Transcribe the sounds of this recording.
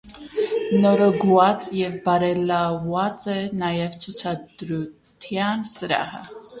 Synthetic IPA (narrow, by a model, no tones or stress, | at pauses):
nɔɾɔɡuɑt͡sjɛvbɑɾɛlɑvɑt͡sɛnɑjɛvt͡sʰut͡sʰɑd̪ɾu | t̪ʰjɑnsəɾɑ̰hə̰